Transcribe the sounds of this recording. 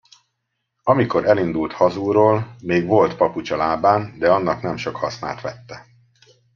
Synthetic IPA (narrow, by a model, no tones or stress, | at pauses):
ɒmiko̞ɾʔɛlind̪ult̪hɒzuːɾoːlmeːɡʋo̞lt̪pɒput͡ʃɒlaːbaːnd̪ɛɒnːɒknɛmʃo̞khɒsna̰ːlt̪ʋɛt̪ːɛ